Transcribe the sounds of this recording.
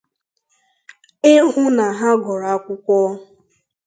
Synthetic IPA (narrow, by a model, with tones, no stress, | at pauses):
ɪ˦ɦʊ˦na˨ɦa˦ɡɔ˨ɾa˨˦kʷʊ˦kʷɔː˦